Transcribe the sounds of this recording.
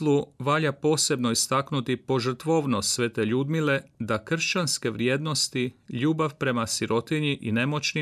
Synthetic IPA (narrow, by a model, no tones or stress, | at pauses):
lˠuʋaːʎapo̞ːse̞bnoist̪aknut̪ipo̞ʒr̩t̪ʋo̞ʋno̞sʋe̞t̪e̞ʎuːd̪mile̞d̪akr̩ʃt͡ʃanske̞ʋɾje̞ːd̪no̞st̪iʎuːbaʋpɾe̞masiɾʔo̞t̪iɲiʔine̞mo̞t͡ʃni